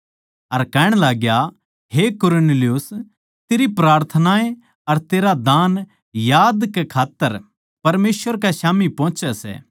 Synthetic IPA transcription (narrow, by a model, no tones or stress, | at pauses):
ɐɾkɛːɽ̃laːɡja | ɦekʊɾoneːlɪjus | t̪eːɾipɾaːɾt̪ʰənaːẽ | ɐɾt̪eːɾad̪aːn | jaːd̪kekʰaːt̪ːəɾ | pɐɾmeːsʋəɾkaʃaːmipɔ̃ːt͡ʃɛsɛ̰ː